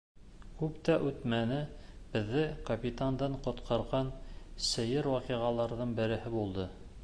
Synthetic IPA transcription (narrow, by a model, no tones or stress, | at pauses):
kʉpt̪æʔʉt̪mænɘ | b̥ɘ̆ðːɘkɐpʲit̪and̪ɑɴqŏt̪qʰɑɾʁɑnsɘ̆jɘɾwɑqiʁɑlˠɑɾðɤɴbɘ̆ɾɘ̆hɘbulˠd̪ɤ